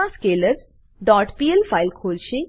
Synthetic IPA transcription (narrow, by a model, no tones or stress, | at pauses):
ãskeləd͡z | ɖɔʈpielfailkʰolɕi